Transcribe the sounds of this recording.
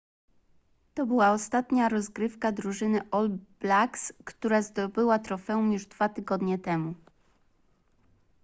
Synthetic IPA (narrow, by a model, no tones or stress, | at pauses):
t̪ɔbɘwaɔst̪at̪ɲaɾɔzɡɾɘfkad̪ɾuʐɘnɘʔɔlb̥lakskt̪uɾazd̪ɔbɘwat̪ɾɔfɛumjuʐd̪v̥at̪ɘɡɔd̪ɲɛt̪ɛmu